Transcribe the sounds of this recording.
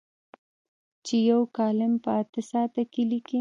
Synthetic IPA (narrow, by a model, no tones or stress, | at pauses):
t͡ʃejawkɑlɪmpəat̪əsɑt̪akeliki